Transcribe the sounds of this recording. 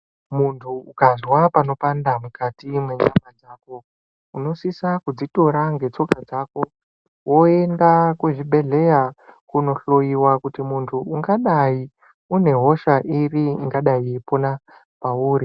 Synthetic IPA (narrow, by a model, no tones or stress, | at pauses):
muntʰuukazwapano̞pandamukatimwe̞ɲamad͡zaːko̞ | uno̞sisakud͡zito̞ɾaŋɡe̞t͡so̞kad͡zaːko̞ | wo̞e̞ndakweʐiɓʱe̞ɮe̞jakuno̞ɬo̞jiwakutimuntʰuːŋɡaɗai | une̞ɦo̞ʃaʔiriiŋɡaɗaipona | pauːɾi